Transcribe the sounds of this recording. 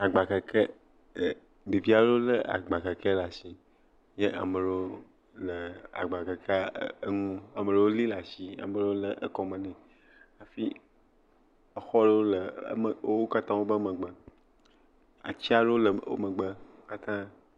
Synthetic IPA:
a˨ɡ͡ba˨ke˨kʰe˦˨ | ɖe˨vi˦a˦ɖo˦lə˦a̰˨ɡ͡ba˨ke˨ke˦la˨si˦ | je˦ʔa̰˨mə˨ɖo˦o˦ | lə˨a̰˨ɡ͡ba˨ke˨ka˦ə˦ŋũ˦a˨mə˨ɖe˨wo˦li˦la˨si˦a̰˨mə˨ɖe˦wo˦lə˨ʔə˦kɔ˨mə̃˨nɛ̃˨ | a˨fi˦ | ə˦xɔ˦ɖe˦wo˦lə̰˨˦mə˨˦wo˦ka˦t̪ã˦wo˦bə˦mə̃˨ɡ͡bə˨ | a̰˨t͡ɕi˦a˦ɖe˦wo˦lə˨wo̰˦mə̃˨ɡ͡bə˦o˦ka˦t̪ã˦

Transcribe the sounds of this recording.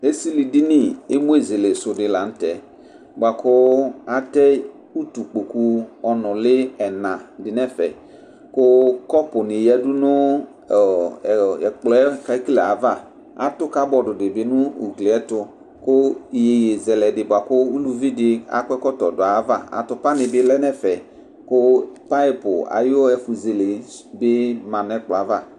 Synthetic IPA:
e˦si˦li˨di˦ni˦e˦mo˦e˨ze˨le˨sʊ˨dɪ˨la˨n̩˦tɛ˨ | bʷa˨kʊ˦a˦tɛ˦ | u˦tu˨k͡po˨ku˦ɔ˨nʊ˨lɪ˦ɛ˨nã˨dɪ˨nɛ˦fɛ˨ | kʊ˦kɔ˦pʊ˨nɪ˨jɛ˦du˦nʊ˦˨ | ɛ˨k͡plɔ˨˦ɛ˦ka˦ki˦lɛ˨a˨˦va˦˨ | a̰˨tʊ˦ka˦bɔ˨dʊ˨dɪ˨bɪ˨˦nʊ˦u˨ɡlɪ˨ɛ˦tʊ˧ | kʊ˦˨je˨je˨zɛ˨lɛ˨dɪ˨bʊ˨a˨kʊ˦u˦lu˦vi˦dɪ˦a̰˨˦kʷɛ˦kɔ˦tɔ˨dʊ˨a˨˦va˦˨a̰˨tʊ˦pa˦nɪ˨bɪ˦lɛ˦nɛ˦fɛ˨ | kʊ˦pa˦ɪ˦pʊ̰˨a̰˨jɛ˦fu˨ze˨le˨bɪ˦mã˨n˦ɛ˦k͡plɔ˨a˨˦va˦˨

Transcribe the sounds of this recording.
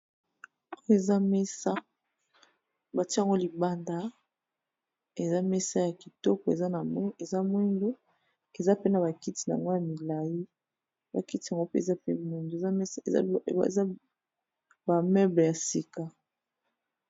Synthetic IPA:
o˦e˨za˦me˦sa˦ | ba˨ti˦˨ŋɡo˦li˨ba˦nda˦ | e˨za˦mɛ˦sa˦ja˨ki˨tɔ˦kɔ˨e˨za˦na˨m˦e˨za˦mwi˦ndo˦ | e˨za˦pe˦na˨ba˨ki˦ti˨na̰˨ŋɡo˦ja˨mi˨la˨ji˦ | ba˨ki˦ti˦˨a˨ŋɡo˦pe˦e˨za˦pḛ˦mwi˦ndo˨˦˨za˦ | ba˨mɛ˦ble˨ja˨si˨ka˨

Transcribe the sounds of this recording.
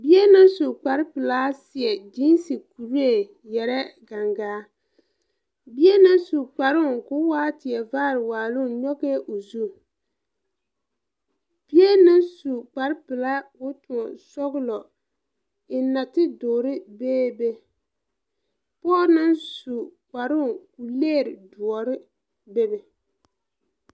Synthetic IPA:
bi˦e˦na˦n˦su˨k͡pa˨ɾɪ˦pɪ˨la˦sɪ˨ɛ˨d͡ʒi˦nsi˨ku˨ɾe˨ | jɛ˨ɾɛ˦ɡa˨ŋɡaː˦ | bi˦e˦na˦nsu˨k͡pa˨ɾɪ˦˨kʊ˦waː˦tɪ˨ɛ˨vaː˦ɾɪ˨waː˨lʊ˦˨˦ɲɔ˦ɣe˦ʔo˨zu˦˨ | b̥i˦e˦nɪ˦nsu˨k͡pa˨ɾpɪ˨la˦ʊ˦tʊ˨ŋɔ˨sɔ˦ɣlɔ˨ | ɪ˨na˨tɪ˦doː˨ɾɪ˦beː˦be˦ | pɔː˦nɪ˦nsu˨k͡pa˨ɾʊ˦˨ŋku˨leː˦˨ɾɪ˨du˨ɔ˨ɾɪ˦ | be˦be˨

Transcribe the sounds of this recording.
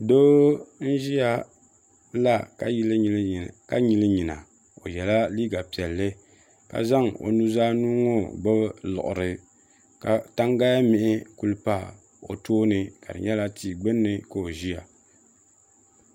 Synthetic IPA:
doː˦n̩˦ʒi˦ja˦ | la˦klka˦ɲi˨lɨ˦ɲi˨na̰˨ | o˨jɛ˨la˦liː˦ɡa˨pi˨ɛ˨lːɨ˦ | ka̰˨za˦ŋo̰˨nu˦zaː˦nu˦ŋo˦ɡ͡bɨ˦lʊ̰˨ʔʊ̰˨ɾɨ˨ | ka˨ta˦ŋɡa˦ja˦mɪ˨ʔɪ˦ku˦lɨ˦pa˦ | o̰˨toː˦nɨ˨ka̰˨dɨ̰˨ɲɛ˦la˦tʰi˨ɡ͡bɨ˦nːɨ˨ko˨o˨ʒi˦ja˨

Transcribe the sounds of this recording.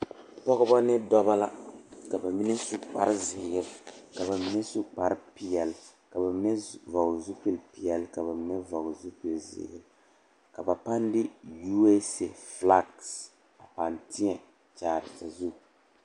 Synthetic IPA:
pɔ˦ɣɔ˦ba˦nɪ˦dɔ˦ba˦la˦ka˨ba˨mi˦nɛ˦su˦k͡pa̰˨ɾɪ˦zɪ˨jɛ˦lka˨ba˨mi˦nɛ˦su˦k͡pa˨ɾɪ˦pi˨jɛ˨l | ka˨ba˨˦ɛ˦va˨ɡzu˦pi˦lpi˨ɛ˨lka˨ba˨˦ɛ˦va˨ɡzu˦pi˨lzɪ̰˨hjɛ˦l | ka˨ba˨pa˦ndɪ˦ju˦e˦se˨fla˦ɡs | a˨pa˨ntɪ˦ɲɛ˨ | t͡ʃaː˨ɾɪ˨sa˨zu˦

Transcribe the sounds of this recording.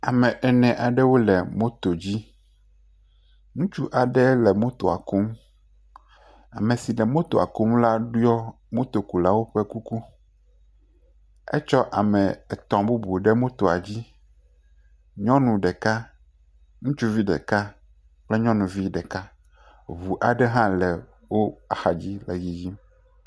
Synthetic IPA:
a˨mɛ̃˨ʔɛ˨nɛ̃˨ʔa˨ɖɛ˦wo˦lɛ˨mo˦t̪o˨d͡ʑi˦ | nũ˦t͡ʃu˦ʔa˨ɖɛ˦lɛ˨mo˦t̪o˨a̰˨ko˦m | a˨mɛ̃˨si˨lɛ˨mõ˦t̪o˨a̰˨ko˦mla˦ɖu˦jɔ˦ | mo˦t̪o˨ku˨la˦wo˦ɸɛ˦ku˦ku˦ | ɛ̰˦t͡ʃɔ˦ʔa˨mɛ̃˨ɛ˨t̪ɔ̃˨bu˦bu˨ɖɛ˦mõ˦t̪o˨a˨d͡ʑi˦ | ɲɔ̃˦nũ˨ɖɛ˨ka˦ | ŋũ˦t͡ʃu˦vi˦ɖɛ̰˨ka˦ | k͡plɛ˦ɲɔ̃˦nũ˨vi˦ɖɛ˨ka˦ | βu˨ʔa˨ɖɛ˦ɦã˦lɛ˨ | wo˦a˨xa˨d͡ʑi˦lɛ˨ji˨ji˦m

